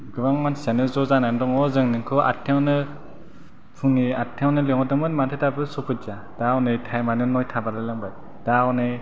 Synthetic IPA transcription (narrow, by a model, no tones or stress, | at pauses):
ɡɯbaŋmansianɯzɔzanandɔŋɔzɯŋnɯŋkʰɯʔa̰tʰewnɯ | pʰuŋiatʰːewnɯleŋɔdɯmɯnmantʰetabɯsɔpʰɯza | d̥awnɯjtʰajmanɯnɔjtʰabaɾɯlɯŋbaj | d̥awnɯj